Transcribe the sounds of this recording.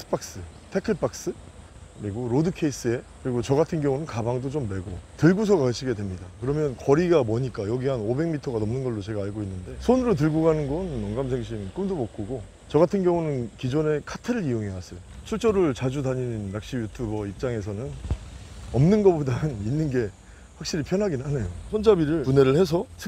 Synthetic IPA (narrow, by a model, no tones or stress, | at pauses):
s͈ɯ̥pʰak̚s͈ɯtʰekʰɯɭp͈ʰak̚s͈ɯ | kɯɾiɡoɾodɯkʰe̞is͈ɯe̞kɯɾiɡot͡ɕʌɡatʰɯnɡjʌŋunɯnkabaŋdot͡ɕomːe̞ɡotɯɭɡus̬ʰʌɡaɯɕʰiɡe̞dwemɲidakɯɾʌmjʌnkʌɾiɡamʌɲik͈ajʌɡiɦanobe̞ŋmitʰʌɡanʌmnɯnɡʌɭːot͡ɕe̞ɡaːɭɡoinːɯnde̞sʰonɯɾot̬ɯɭɡoɡanɯnɡʌnːʌŋɡamsʰeŋɕ̬ʰink͈ɯmdomʌk͈oɡo | t͡ɕʌɡatʰɯnɡjʌŋunɯnkid͡ʑone̞kʰatʰeɾɯɾijoŋɦewas͈ʌjot͡ɕʰuɭt͡ɕ͈ʌɾɯɭt͡ɕad͡ʑudaɲinːak̚ɕ͈ijutʰubʌip̚t͡ɕ͈aŋe̞sʰʌnɯn | ʌmnɯnɡʌbodanɯninːɯnɡe̞ | ɸwak̚ɕ͈iɾipʰjʌnɦaɡinanejosʰond͡ʑabiɾɯɭpune̞ɾɯɭhe̞s̬ʰʌsʰe